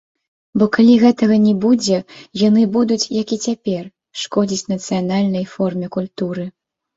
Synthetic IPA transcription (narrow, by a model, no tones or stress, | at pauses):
bɔkalʲiɣɛt̪ɐɣɐnʲɛbud͡zʲɛjanɨbud̪ut͡sʲjakit͡sʲapʲɛr | ʂkɔd͡zʲit͡sʲnɐt̪sɨjanalʲnɐjfɔrmʲɛkulʲt̪uɾɨ